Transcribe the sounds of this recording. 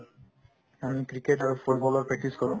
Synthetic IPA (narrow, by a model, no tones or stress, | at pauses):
amikɾikeʈaɹfoʈbɔlɔɹpɹɛk̚ʈiskɔɹũ